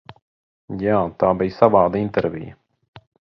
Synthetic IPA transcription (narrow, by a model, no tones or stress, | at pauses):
jaːt̪aːbijsavaːd̪aint̪ɛɾvḭjə